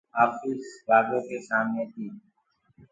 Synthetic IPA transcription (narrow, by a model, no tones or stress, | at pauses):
aːfiːsʋaːɡõːkeːsaːmnẽːt̪ʰiː